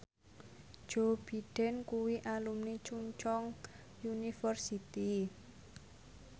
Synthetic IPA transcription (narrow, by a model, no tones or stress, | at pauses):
d̥ʒ̥o̤b̥i̤ɖ̥ɛ̤nkuwiʔalumnit͡ʃuɲt͡ʃɔŋ | junifərsit̪i